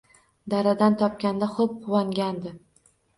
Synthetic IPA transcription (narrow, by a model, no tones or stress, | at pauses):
d̪aɾad̪ant̪ʰɒp̚kʲand̪aχop̚qʰʊwaŋɡʲand̪ɪ